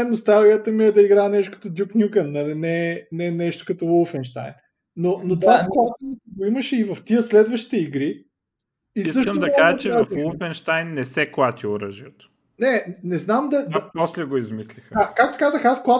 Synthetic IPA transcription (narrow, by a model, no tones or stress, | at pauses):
ɛnost̪alˠijət̪əmiɛd̪ɐiɡɾaɛnɛʃt̪okɐ̥t̪od̪ʲuknʲukənːɐlinɛnɛnɛʃt̪o̥kɐt̪ɔulˠfɛnʃt̪a̰jnː | onot̪ovasklˠat̪inət̪ɡoiməʃɛivɐft̪iəslɛd̪vəʃt̪i̥t̪ɛiɡɾi | iisəʃtkəmd̪ɐkaʒət͡ʃɛafulˠfɛnʃt̪ajnːɛsɛklˠat̪ʲioɾə̰ʒiət̪o̥ | nɛnɛznamd̪ɐd̪pɔslɛɡoizmislixəakak̚t̪o̥kazəxasklˠa